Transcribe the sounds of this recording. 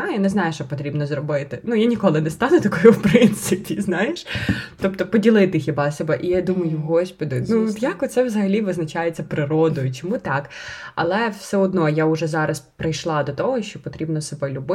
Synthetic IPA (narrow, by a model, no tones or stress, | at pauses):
ajʊnɛznɑjʊʃt͡ʃɔpɔt̪ɾʲibnɔzrɔbɪt̪ɪnujanʲikɔlˠɪnɛst̪ɑnʊt̪ɐkɔjʊwpɾɪnt̪sɪpʲiznɑjeʃt̪ɔpt̪ɔpɔdʲilˠɪt̪ɪxʲibɑsʲɛbɛʔijad̪umɐjʊɦɔsʲpɔd̪ʲɪnujakɔt̪sɛʋzɐɦɐlʲiʋɪznɐt͡ʃajet͡sʲːɐpɾɪɾɔd̪ɔjʊt͡ʃɔmut̪ɑkɐ̰lˠɛwsɛɔd̪nɔjaʊʒɛzɑɾɐspɾɪjʃlˠɑd̪ɔt̪ɔɦɔʃt͡ʃɔpɔt̪ɾʲibnɔsebɛlʲʊbɪ